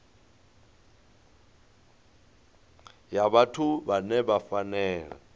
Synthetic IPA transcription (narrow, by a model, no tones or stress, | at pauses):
jaβatʰubanɛbafanɛːlɛ̰